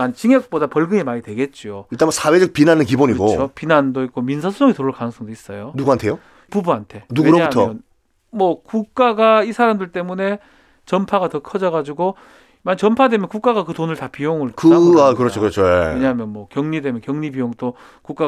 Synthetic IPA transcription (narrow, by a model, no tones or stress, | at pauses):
mant͡ɕiŋjʌk̚p͈odapʌɭɡɯŋemaɾidwe̞ɡe̞t̚t͡ɕ͈ioit͈asʰawed͡ʑʌk̚pinanɯnk̬iboɲiɡoopinandoik͈ominsʰasʰusʰoŋitoɾɯɭkanɯŋsʰʌŋdois͈ʌjonuɡuantʰejo | pubuantʰe̞nuɡweuɾoauɦatʰmʌʌn | mwʌkuk̚k͈aɡaisʰaɾamdɯɭt͈e̞mune̞ | t͡ɕʌmpʰaɡatʌkʰʌd͡ʑʌɡad͡ʑuɡo | mant͡ɕʌmpʰadwe̞mjʌnkuk͈aɣakɯtonɯɭtapijoŋɯɭkɯaakɯɾʌt͡ɕʰokɯɾʌt͡ɕʰoeeɲaɦamjʌnmwʌkjʌŋɲidwe̞mjʌnkjʌŋɲipijoŋt͈o | kuk͈a